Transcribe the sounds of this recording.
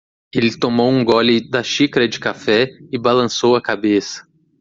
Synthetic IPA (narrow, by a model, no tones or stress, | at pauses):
elɪt̪omowũɡɔlɪd̪ɐʃikɾɐd͡ʒɪkafɛɪbalɐ̃sowɐkabesɐ̥